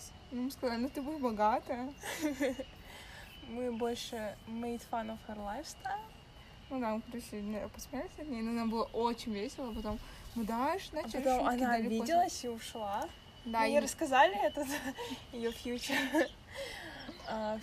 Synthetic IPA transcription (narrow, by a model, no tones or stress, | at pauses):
numɨskɐzalʲɪnut̪ɨbujɪt̪bɐɡat̪əə | mɨbo̞lʲʂɨmɐjt̪fanofxɐrlˠajfst̪alʲɪ | nud̪ampɾʲɪsʲinʲpɐsmʲalʲsʲɐt̪ʲnʲejnɐɐnabɨlˠəʔot͡ɕɪnʲvʲesʲɪlˠəpɐt̪o̞m | mɨd̪aɪʂzaɐt̪omɐnalʲbʲidʲɪlˠəsʲiʊʂlˠa | d̪ajiɾəskɐzalʲɪɛt̪ət̪ɪjofʲjut͡ɕəɾ | a